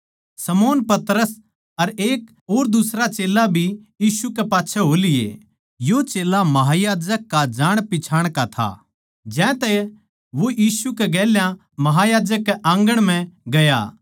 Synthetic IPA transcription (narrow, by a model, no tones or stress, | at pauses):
sɐmoːnpɐt̪ɾəs | ɐɾeːk | ɦoːɾd̪ʊsɾat͡ʃeːlabʱijiːsukepaːtːʃʰɛɦoːlɪḛ | jot͡ʃeːlamɐɦajaːd͡ʒəkːad͡ʒaːɽ̃pɪt͡ʃʰaːɽ̃kat̪ʰa̰ | d͡ʒɛ̃ːt̪ɛ | ʋojiːsukeɡɛːljã | mɐɦajaːd͡ʒəkːeʔãːŋɡəɽ̃m̤ɛ̃ɡɐja̰